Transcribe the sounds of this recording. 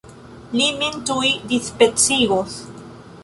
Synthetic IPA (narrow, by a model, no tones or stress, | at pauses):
limint̪uid̪ispet͡siɣoθ